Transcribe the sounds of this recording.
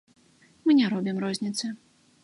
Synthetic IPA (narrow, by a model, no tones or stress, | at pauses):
mɨnʲɛɾɔbʲimrɔzʲnʲit̪sɨ